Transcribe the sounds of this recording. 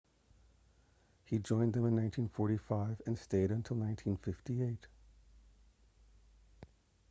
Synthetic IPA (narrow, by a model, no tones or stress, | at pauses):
hid͡ʒɔ̃ɪ̃nðɨ̃mɨ̃nːãɪ̃ntʰĩnfɔɹɾifaɪvɨ̃nsteɪɾɨ̃ntʰɪlˠnãɪ̃ntʰĩnfɪftieɪt̚